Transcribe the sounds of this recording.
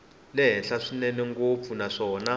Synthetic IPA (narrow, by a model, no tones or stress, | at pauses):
lɛɦɛnɬaʂinɛnɛŋɡop̪funaʂɔːna